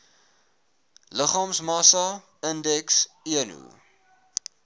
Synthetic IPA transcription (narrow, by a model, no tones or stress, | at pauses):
ləχɑːmsmɑsɐ | əndɛks | iənṵ